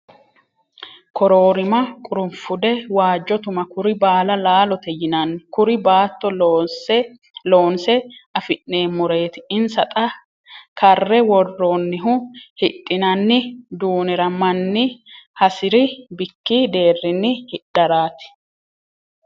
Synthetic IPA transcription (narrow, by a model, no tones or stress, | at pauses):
kɔɾoːɾɪmɐkʼʊɾʊmfʊd̪ɛwaːd͡ʒːɔt̪ʊmɐkʊɾɪbaːlɐlaːlɔt̪ɛjɪnɐnːɪkʊɾɪbaːt̪ːɔlːs | loːnsɛɐfɪnːeːmːʊɾe̞ːt̪ɪ̥ɪnsɐt̪ʼɐ | kɐrːɛwɔrːoːnːɪɦʊhɪt̪ʼːɪnɐnːɪd̪uːnɛɾɐmɐnːɪhɐsɪɾɪbɪkːid̪e̞ːrːɪnːɪhɪᶑɐɾaːt̪ɪ̥